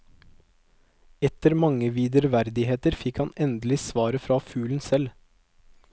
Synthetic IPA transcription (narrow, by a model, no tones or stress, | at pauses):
ɛt̪əɾmɑŋəʋiːd̪əɾʋæɾd̪ɪheːt̪əɾfɪkhɑnɛnd̪lɪsʋɑːɾəfɾɑːfʉːln̩sɛl